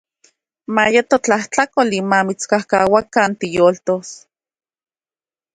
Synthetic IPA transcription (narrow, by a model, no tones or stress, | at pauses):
majet̪ot͡ɬaht͡ɬakolimamit͡skahkawakant̪ijoːlt̪os